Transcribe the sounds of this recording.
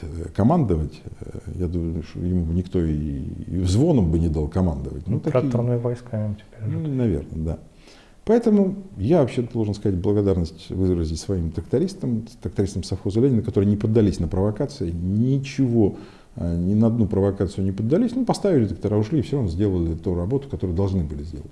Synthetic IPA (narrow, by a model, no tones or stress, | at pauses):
kɐmand̪əvətʲjad̪uməjʊʂt̪jɪmunʲɪkt̪o̞ivzvo̞nəmbɨnʲɪd̪alˠkɐmand̪əvə̰tʲnut̪ɐkɾakt̪ɾnɨjvɐjskaɪmtʲɪ̥pʲeɾʲnɐvʲḛrnəd̪a | pɐɛt̪əmʊjavɐpɕːed̪olˠʐɨnskɐzat̚ʲblˠəɡɐd̪arnəsʲtʲvɨzɾəzʲɪtʲsvɐimt̪ɾəkt̪ɐɾʲist̪əmt̪ɾək̚t̪ɐɾʲist̪əmsɐfxozəlʲenʲɪnəkɐt̪o̞ɾɨjənʲɪpəd̪ːɐlʲisʲnəpɾəvɐkat̪sɨɪnʲɪt͡ɕɪvo̞ | nʲɪnəɐd̪nupɾəvɐkat̪sɨjnʲɪpəd̪ːɐlʲisʲnupɐst̪avʲɪlʲɪt̪ɾək̚t̪ɐɾaʊʂlʲiːfsʲoɾɐvnozʲdʲe̞lˠəlʲɪt̪uɾɐbo̞t̪ʊ̥kɐt̪oɾəɨjd̪ɐlˠʐnɨbɨlʲɪzʲdʲḛlˠətʲ